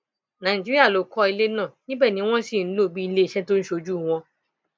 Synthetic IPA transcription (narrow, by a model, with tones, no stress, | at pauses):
nã˨ĩ˨d͡ʒi˦ɾi˦a˦˨lo˨kɔ˧i˧le˦nã˦˨nĩ˦bɛ˦˨nĩ˨˦w̃ɔ̃˦si˦˨n̩˨˦lo˦˨bi˦i˧le˦i˦˨ʃɛ˦to˦ñ̩˦ʃo˧d͡ʒu˦˨w̃ɔ̃˧